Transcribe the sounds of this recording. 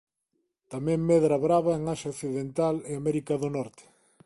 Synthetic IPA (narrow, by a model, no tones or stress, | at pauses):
t̪amɛ̃ŋmɛðɾɐβɾaβɐeŋaʃaokθiðent̪alɪamɛɾikɐðonɔɾt̪ɪ̥